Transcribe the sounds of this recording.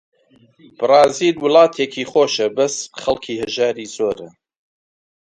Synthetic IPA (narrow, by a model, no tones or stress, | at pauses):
b̥ɨrɑːziːlwɨlˠɑːt̪ʰeːkʰiːχoːʃɐbɐsχɐlˠkʰiːhɨʒaːɾiːzoːɾɐ